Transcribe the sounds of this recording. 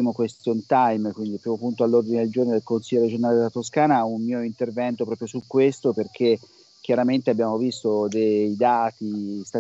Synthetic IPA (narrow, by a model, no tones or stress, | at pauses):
imokwest̪jont̪ajmkwind̪ipɾimopːunt̪oalːord̪ined̪eld͡ʒornod̪elkonsilːʎːoɾed͡ʒonaːled̪elat̪oskaːnaummiːoint̪ervɛnt̪opɾɔːpɾjosukːwest̪operk̟e | k̟jaɾament̪eabjaːmovist̪od̪ejd̪aːt̪ist̪a